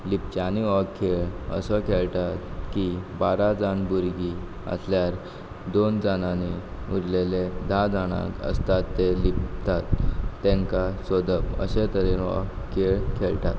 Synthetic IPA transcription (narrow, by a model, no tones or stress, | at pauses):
lip̚t͡ɕaniʋəkkʰːeɭə̰səkʰeɭʈat̪kibaɾad͡zanbuɾɡi | ə̰sljaɾ | d̪ond͡zanane | uɾleled̪ʱad͡zaɽ̃a̰kə̰st̪at̪ːelipt̪at̪ːẽŋkasod̪ʱəpə̰ɕet̪əɾenʋə̰ | kʰːeɭkʰeɭʈa̰t̪